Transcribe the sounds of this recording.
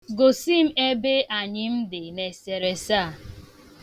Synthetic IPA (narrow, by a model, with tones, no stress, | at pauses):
ɡo˨si˦˨m̩˦e˦be˦ʔa˨ɲɪ˦m̩˦dɪ˨ne˨se˨ɾe˨saː˦˨